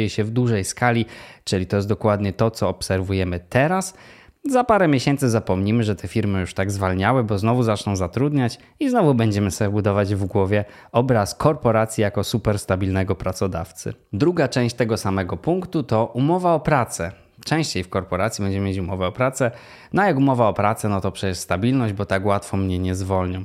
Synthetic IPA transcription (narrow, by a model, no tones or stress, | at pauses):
jɛɕɛvd̪wuʐɛjskalʲit͡ʂɘlʲit̪ɔjɛsd̪ɔkwad̪ɲɛt̪ɔt̪sɔːpsɛɾvujɛmɘt̪ɛɾaszapaɾɛmʲjeɕɛnt̪sɘzapɔmɲimɘʐɛt̪ʰɛfʲiɾmɘjuʂt̪aɡzvalɲawɘbɔznɔvuzat͡ʂnɔ̃w̃zat̪ɾud̪ɲat͡ɕ | iznɔvubɛɲd͡ʑɛmɘsɛbud̪ɔvad͡ʑvɡwɔvʲjɛ | ɔbɾaskʰɔɾpɔɾat̪sʲjijakɔsupɛɾst̪abʲilnɛɡɔpɾat̪sɔd̪a̰ft̪sɘ̰d̪ɾuɡat͡ʂɛ̃w̃ɕt͡ɕt̪ɛɡɔsamɛɡɔpuŋkt̪ut̪ɔʔumɔvaɔpɾat̪sɛ | t͡ʂɛ̃w̃ɕt͡ɕejfkɔɾpɔɾat̪sʲjibɛɲd͡ʑɛmɘmjet͡ɕumɔvɛɔpɾat̪sɛ | nɔjakumɔvaɔpɾat̪sɛnɔt̪ɔpʂɛt͡ɕɛʂst̪abʲilnɔʑd͡ʑbɔt̪akwat̪fɔmɲɛɲɛzvɔlɲɔ̃w̃